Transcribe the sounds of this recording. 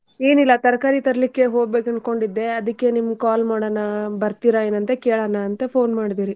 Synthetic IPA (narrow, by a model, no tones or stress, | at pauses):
e̞ːnilːɐt̪ɐɾɐkaːɾit̪ɐɾɐlikːe̞ɦo̞ːɡ̚be̞ːkɐnko̞ɳɖid̪ːe̞ɐd̪ɐkːe̞nimɐɡkaːlmaːɽɐnɐbɐɾt̪iɾɐe̞ːnɐnt̪ekeːɭɐnɐːnt̪ɐpʰo̞ːnmaːɖid̪iːɾi